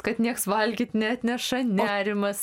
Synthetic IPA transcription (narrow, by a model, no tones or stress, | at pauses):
kɐt̪nʲiɛksʋɐlʲɡʲɪt̪nʲɛɐt̪ʲnʲɛʃɐnʲæːɾʲɪmɐs